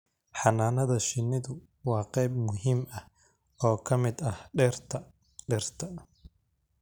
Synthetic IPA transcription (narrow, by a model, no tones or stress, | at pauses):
ħɑnaːnɐðɐʃɪnɪðʊ | wɑːqɛjb̚mʊɦiːmɐh | ɔːkʰɐmɪd̪ɐhɛrt̪ʰɐ | ɖɛrt̪ʰɐ